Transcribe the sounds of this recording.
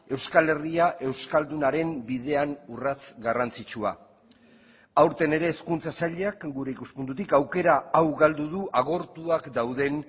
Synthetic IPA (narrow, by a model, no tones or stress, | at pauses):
e̞wskale̞riaʔe̞wskald̪unaɾe̞mbið̞e̞anurat͡sɡarant͡sit͡ʃua̰ | awɾt̪e̞ne̞ɾe̞ːskunt͡sasaʎeakɡuɾe̞ikuspund̪ut̪̬ikawke̞ɾaːwɣald̪uðuʔaɣ̞o̞ɾt̪uakd̪awðe̞n